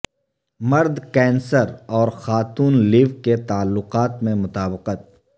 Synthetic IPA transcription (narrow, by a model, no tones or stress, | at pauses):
mɐɾd̪kɛ̃ːnsəɾɔːɾxaːt̪uːnliːʋket̪aːlːʊqaːt̪mẽmʊt̪aːbqət̪̚